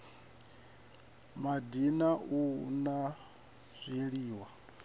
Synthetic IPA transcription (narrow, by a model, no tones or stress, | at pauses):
madinauna | z̥ʷiɺiːwa